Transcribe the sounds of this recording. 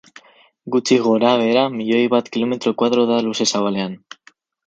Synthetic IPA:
ɡut͡ʃiɣo̞ɾaβ̞e̞ɾamiʎo̞jβat̪kilo̞me̞t̪ɾo̞kwaðɾo̞ðaluse̞saβale̞an

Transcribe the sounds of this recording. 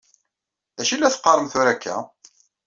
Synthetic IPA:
æʃilːæθə̥qːəɾˤəmθʊɾækʰːæ̰

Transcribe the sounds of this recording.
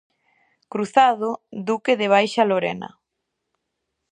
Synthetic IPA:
kɾuθaðod̪ukeðeβ̞ajʃaloɾḛnɐ̰

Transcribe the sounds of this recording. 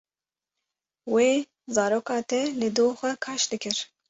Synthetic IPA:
weː | zɑːɾoːkɑːt̪ʰɛlɨd̪oːxʷɛkʰɑːʃd̪ɨkɨɾ

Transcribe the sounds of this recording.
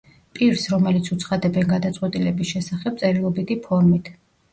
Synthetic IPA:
pʼiɾsɾɔmɛlit̪sʰut̪sʰχad̪ɛbɛnɡad̪at̪sʼqʼwɛt̪ʼilɛbisʃɛsaχɛb̚t̪sʼɛɾilˠɔbid̪ipʰɔɾmit̪ʰ

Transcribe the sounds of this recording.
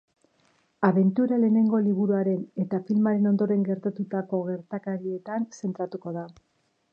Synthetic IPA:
aβe̞nt̪uɾale̞ːne̞ŋɡo̞liβuɾuaɾe̞ne̞t̪afilmaɾe̞no̞nd̪o̞ɾe̞ŋɡe̞ɾt̪at̪ut̪ako̞ɣe̞ɾt̪akaɾie̞t̪anse̞nt̪ɾat̪uko̞ða

